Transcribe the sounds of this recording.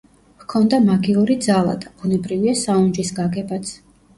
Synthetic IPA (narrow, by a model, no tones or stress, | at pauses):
hkʰɔnd̪amaɡiuɾid̪zalˠa̰d̪ab̥unɛbɾiviasaund͡ʒisɡaɡɛbat̪sʰ